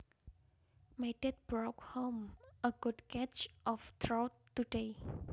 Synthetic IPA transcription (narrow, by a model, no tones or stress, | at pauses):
madɛt̪̚b̥ɹɔkhõməɡ̥udkɛt͡ʃʔɔft̪ʰɹɔwt̪ːude